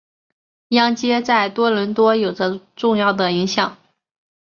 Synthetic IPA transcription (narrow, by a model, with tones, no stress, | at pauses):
jɑ˥ŋt͡ɕjɛ˥t͡sa˥˩ɪt̪wɔ˥lə˧˥nt̪wɔ˥jo˨˩ʊʈ͡ʂə˦ʈ͡ʂʊ˥˧ŋjɑ˥˩ʊd̪ə˩i˧˥ŋɕjɑ˨˩˦ŋ